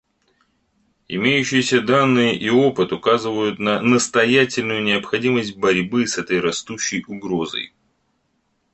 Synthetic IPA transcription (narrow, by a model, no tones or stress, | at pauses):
ɪ̰mʲejʉɕːɪjsʲəd̪anːɨjəʔio̞pɨt̪ʊkazɨvəjʊt̪nənəst̪ɐjætʲɪlʲnʊjʊnʲɪəpxɐdʲiməsʲt̚ʲbɐɾʲbɨsɛt̪əjrɐst̪uɕːɪjʊɡɾo̞zə̰j